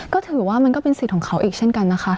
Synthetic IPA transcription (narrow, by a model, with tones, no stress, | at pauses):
kɔː˥˩t̪ʰɯː˨˩˦waː˥˩ma˧nkɔː˥˩pe˧nsi˨˩ɔː˩˦ŋkʰa˦˥wʔiː˨˩k̚t͡ɕʰe˥˩nka˧nːa˦˥xʰa˦˥